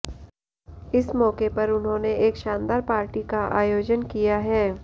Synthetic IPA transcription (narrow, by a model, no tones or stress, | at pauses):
ɪsmɔːkepɐɾʊnɦõːneeːkʃãːnd̪aːɾpaːɾʈikaʔaːjoːd͡ʒənkijaɦɛː